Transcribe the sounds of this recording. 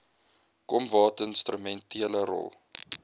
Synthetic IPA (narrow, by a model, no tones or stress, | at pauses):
kɔmvɑːtənstrəmɛntʰiələɾɔ̰lˠ